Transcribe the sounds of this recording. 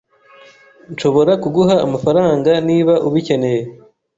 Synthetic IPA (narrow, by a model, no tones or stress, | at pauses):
nʃo̞βo̞ɾakuɡuhaːmafaɾaːŋɡaniːβaʔuβice̞ne̞je